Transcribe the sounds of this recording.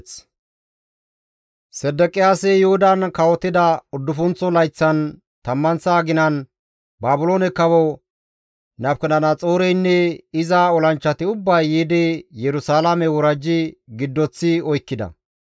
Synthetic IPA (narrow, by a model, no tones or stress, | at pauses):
sɛd̪ːɛkʼɪjaːsɛjɛhʊd̪ɐnkɐwɔt̪ːɪd̪ɐʊd̪ːʊfʊnt͡sːɔlɐjt͡sːɐn | t̪ɐmːɐnsaːɡɪnɐn | baːbʊloːnɛkːɐbɔ | nɐfkɛnɐnɐt͡sʼo̞ːɾɛjnːɛɪzaɔlɐnt͡ʃːɐt̪ɪʊbːɐjːiːd̪ɛjɛɾʊsaːlamɛwɔɾɐd͡ʒːɪɡɪd̪ːɔt͡sːɪɔjkːɪd̪ɐ̰